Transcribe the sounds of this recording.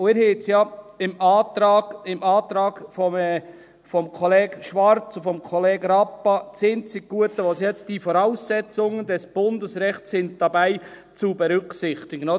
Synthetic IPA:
ʊɪɾhet͡sjɑɪmɑːt̪ɾɑːɡɪmɑːt̪ɾɑːɡ̥fɔɛ | fɔmkʰɔlɛːɡʃʋɑɾt͡sʊfɔmkʰɔlɛːɡɾɑpːɑt͡sɪnt͡sɪkɡ̥uətːəʋosjɛt͡std̥ifɔɾaʊsːɛt͡sʊŋəndɛsb̥ʊndəsɾɛχtssɪn̚d̥ɑbæɪ | t͡subɛɾʏksɪχt̪ɪɡəno

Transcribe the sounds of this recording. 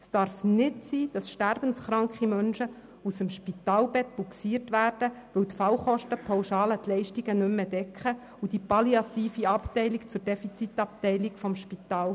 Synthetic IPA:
sd̥ɑɾfnɪtsiːd̥ɑsʃtærb̥ənsχɾɑŋkχimœnʃə | usəmʃpit̪ɑːlbɛt̚b̥uksiːrtʋæːrd̥əʋɵwtfɑwχɔʃtəpʰɑwʃɑːlətlɛɪʃtiɡənɵmːəd̥ɛkχə | ud̥ipɑliɑt̪iːfiɑptɛɪlikt͡sʊrdɛfit͡sit̪ɑp̚tɛɪlikfɔmʃpit̪ɑːl

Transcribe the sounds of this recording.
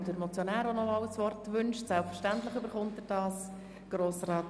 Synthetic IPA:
dəɾmɔt͡sjonæːɾɔnɔmɑwəsʋɔrtʋʏnʃtsælpfəɾʃtænt̪ləχʏbəɾχʊnt̚dəd̥ɑːs | ɡ̥ɾoːsrɑːt

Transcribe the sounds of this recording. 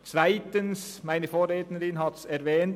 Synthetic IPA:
t͡svæɪtəns | mæɪnəfoːɾeːt̪nəɾɪnhɑt̪sɛɾʋɛːnt

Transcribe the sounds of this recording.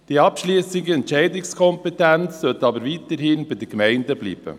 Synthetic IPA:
d̥iɑpʃliːsɪɡəɛntʃɛɪdɪkskʰɔmpɛtɛnt͡ssœtɑːbəɾvit̪əɾhɪnbɪd̥əkmæɪndəblḭːb̥ə̰

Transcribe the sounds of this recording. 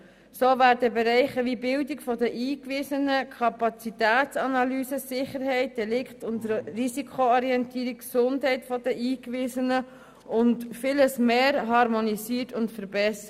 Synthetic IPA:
soːvæːɾdəbɛɾɛɪχəʋibɪldikfɔdəʔiːkʋɪsənəkʰɑpɑt͡sitæːt͡sɑnɑlyːsəsɪχəɾɦɛɪt̚d̥ɛlɪkχtʊntəɾrisikʰoɔɾiɛntiːɾikksʊndɦɛɪtfɔdəʔiːkʋɪsənə | ʔʊntfɪləsmeːɾɦɑɾmonisiːəɾtʊntfəɾbɛsə

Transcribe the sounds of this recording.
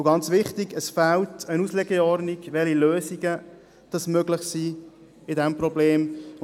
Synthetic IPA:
ʊɡɑnt͡sʋɪχtiɡəsfæltənuslɛɡəɔɾniɡʋɛliløːsiɡə | d̥ɑsmøɡlɪχsiː | ɪdɛmprɔbleːm

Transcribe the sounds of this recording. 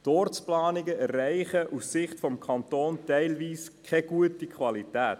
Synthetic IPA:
tɔːrt͡splɑːnɪɡəɛræɪχəʔussɪχtfɔmkʰɑntoːntɛɪlʋiːskʰɛɡ̥uətikʰwɑlitæːt

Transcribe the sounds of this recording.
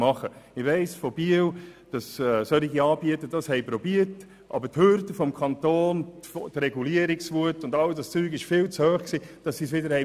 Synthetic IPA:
mɑχəɪʋɛɪsfɔb̥iəwd̥ɑssœliɡiɑːbiətəd̥ɑshɛɪpɾɔbiət | ʔɑ̰bəthøɾdəfɔmkʰɑntoːnfɔtɾɛɡuliəɾiksvuətːʊndɑldɑst͡syːkɪʃfɪːlt͡shøːχksiːd̥ɑsːisʋɪdəɾhɛɪ

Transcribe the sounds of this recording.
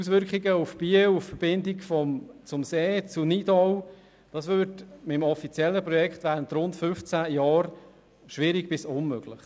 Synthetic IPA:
us̬ʋʏɾkχiɡəufb̥iəwuffəɾb̥ɪndɪkfɔmt͡sʊmseːt͡sunid̥ɔw | d̥ɑsʋøːɾtmɪmɔfit͡sjɛlːəpɾɔjɛkχtʋæːɾəntɾʊntfʏft͡sæjɑːɾ | ʃʋɪɾiɡb̥ɪsʊnmøɡ̥lɪχ

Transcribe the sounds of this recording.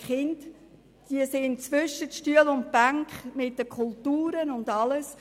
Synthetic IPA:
χɪnt | d̥iəsent͡svʏʃətʃtyəlʊnt̚b̥æŋkχmɪt̚d̥əkʰʊltuːɾənʊndɑləs

